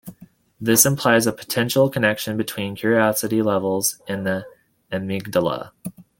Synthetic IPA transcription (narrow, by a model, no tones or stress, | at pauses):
ðɪsɨ̃mpʰl̥aɪzəpʰə̥tʰɛ̃nʃl̩ˠkʰənɛkʃɨ̃nbɨtʰw̥ĩnkʰj̥ʊɹiɑsɨɾilɛvl̩ˠzɨ̃nði | ɨmɪɡ̚dəlˠə̰